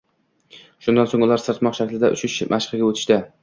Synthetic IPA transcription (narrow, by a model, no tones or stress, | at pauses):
ʃʊnd̪ansoŋʊlˠaɾsɨɾt̪mɒqʃakʲlɪd̪aʔʊ̰t͡ʃʊʃmʔaʃqɨɡʲaɵt̪ʰɪ̥ʃt̪ɪ